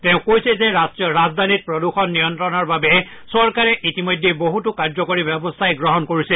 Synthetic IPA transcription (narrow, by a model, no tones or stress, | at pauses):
tɛʊ̃kojsɛzɛsɹazd̪ʱanit̚pɹɔduxɔnːijɔntɹɔnaɹbabɛ | sɔɹkaɹɛʔitimɔjdʱːeboɦutʊkaɹzɔkoɹibɛbɔstʰajɡɹɔɦɔnkoɹisɛ